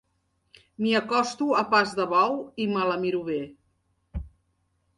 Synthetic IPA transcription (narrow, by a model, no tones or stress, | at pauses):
miəkɔst̪uəpazðəβawimələmiɾuβe